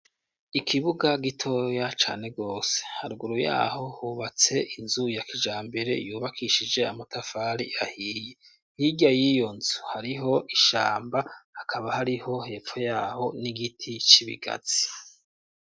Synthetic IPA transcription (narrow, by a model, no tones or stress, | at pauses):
ikʰiβuɡaɡitʰo̞ːjat͡ʃa̰ːne̞ɡo̞ːse̥haɾuɡuɾuja̰ːho̞huːβat͡se̞ʔinzujakid͡ʒaːmbe̞ɾe̞̰juːβakʰiʃid͡ʒe̞amatafaɾḭʔahiːje | hiɟajijo̞nzu̥haɾiɦo̞ʔiʃa̰ːmbahakʰaβahaɾiho̞he̞ːfo̞jaːho̞niɡitʰit͡ʃiβḭɡa̰z̥i